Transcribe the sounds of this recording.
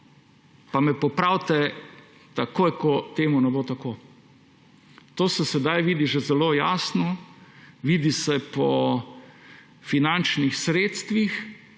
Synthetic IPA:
pamɛpɔpɾawt̪ɛ | t̪akoːjkɔt̪eːmunɛboːt̪akoː | t̪oːsɛsɛd̪ajʋiːd̪iʒɛzɛloːjaːsnɔ | ʋiːd̪isɛpɔ | finant͡ʃnixsɾeːt̪st̪ʋix

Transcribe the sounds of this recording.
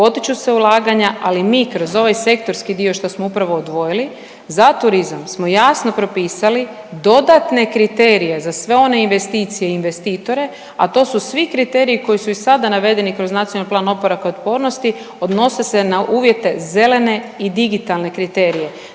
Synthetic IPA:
po̞t̪it͡ʃuse̞ulˠaːɡaɲaalimiːkɾo̞zo̞ʋajse̞k̚t̪o̞ɾskid̪io̞ʃt̪osmoupɾaʋo̞ːd̪ʋo̞jili | zat̪uɾizamsmo̞jaːsno̞pɾo̞piːsali | d̪o̞d̪at̪ne̞kɾit̪eɾije̞zasʋe̞o̞ne̞inʋe̞st̪iːt̪sije̞inʋe̞st̪iːt̪o̞ɾe̞ | at̪o̞ːsusʋikɾit̪e̞ɾijiko̞jisuisad̪anaʋe̞d̪e̞nikɾo̞znat̪sijonalplaːno̞poɾakaot̪po̞ːɾno̞st̪i | o̞d̪no̞se̞se̞naʔuːʋje̞t̪e̞ze̞le̞ne̞id̪iɡit̪alˠne̞kɾit̪e̞ːɾije̞

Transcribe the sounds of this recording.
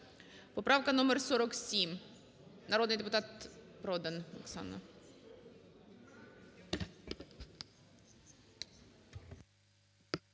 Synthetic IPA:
pɔpɾafkɐnɔmʲəɾsɔɾɔksʲim | nɐɾod̪nɨjd̪ʲɪpʊt̪at̪pɾod̪ənmɐ̰ksa̰nːə̰

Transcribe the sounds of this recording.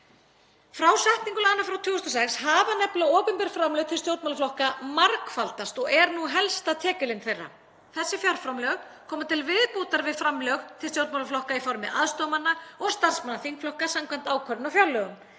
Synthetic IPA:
fɾawsɛht̪niŋkʏlanːafɾawt̪ʰʏːɣʏst̪ɔsɛkshaːvanɛplaɔːpʏnpɛɾ̥fɾamlœɣt̪ʰɪlst̪jowt̪malaflɔhkamaɾkfalt̪ast̪ɔɣɛɾnuɦɛlst̪at̪ʰɛːcɪlɪnθejrːa̰ | θɛsːɪfjɔɾ̥fɾamlœɣ | kʰɔːmat̪ʰɪlvɪðpoːt̪aɾvɪðfɾamlœɣt̪ʰɪlsjowt̪mawlaflɔhkaifɔɾmɪʔa̰ðst̪ɔmanːaɔɣst̪ar̥smanːaθiŋkflɔhkasamkʰvɛnt̪aːwkʰœɾɪnawfjawlːœːɣʏm

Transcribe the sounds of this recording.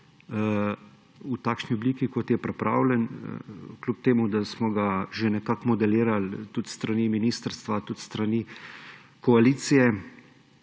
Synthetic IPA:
ut̪aːkʃniɔbliːkikɔt̪jɛpɾɛpɾa̰ːwlʲɛn | klʲup̚t̪eːmud̪asmɔɡaʒenɛkakmɔd̪ɛliːɾalt̪ut̪st̪ɾaniminiːst̪əɾst̪ʋat̪ut̪st̪ɾani | kɔaliːt̪sijɛ

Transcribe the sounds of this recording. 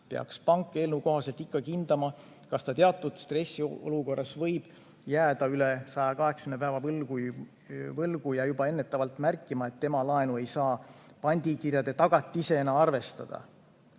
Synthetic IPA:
peɑ̰kspɑŋkˑːe̞ːlnuko̞ɦɑselt̪ikːɑkind̪̥ɑmɑ | kɑst̪ɑt̪eɑt̪ːˑud̪̥st̪re̞sːiʔo̰luko̞rːɑsvɤjb̥ | jæːd̪̥ɑylesɑjɑkɑɦe̞kskymnepæːvɑvlɡu | vɤlɡ̥ujɑjubɑe̞nːe̞t̪ːˑɑvɑlt̪ˑmærkˑːimɑe̞t̪ːe̞mɑlɑe̞nue̞jsɑː | pɑnʲd̪̥ʲikirjɑd̪̥e̞t̪ɑɡ̥ɑt̪ʲˑːise̞enːɑɑrve̞st̪ɑ̰d̪̥ɑ̰

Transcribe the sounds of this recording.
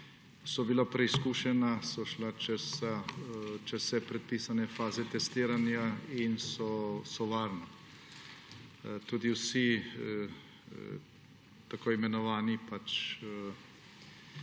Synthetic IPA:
sɔbilapɾɛiskuːʃɛnasɔʃlat͡ʃɛsat͡ʃɛssɛpɾɛt̪̚piːsanɛfaːzɛt̪ɛst̪iːɾanjainsɔsɔʋaːɾna | t̪uːd̪iwsi | t̪akoːimɛnɔʋaːnipat͡ʃ

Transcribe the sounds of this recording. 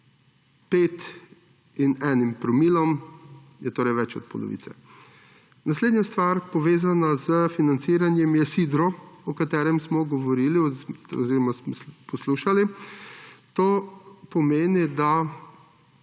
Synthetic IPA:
peːt̪ | inɛːnimpɾɔmiːlɔm | jɛt̪oːɾɛjʋɛt͡ʃɔ̰t̪̚pɔ̰lɔ̰ʋḭt̪sɛ̰ | nasleːd̪njast̪ʋaɾpɔʋeːzanazəfinant̪siːɾanjɛmjɛsid̪ɾɔɔkat̪ɛːɾɛmsmɔɡɔʋɔɾiːliɔziːɾɔmasmɔspɔsluʃali | t̪oːpɔmeːnid̪a

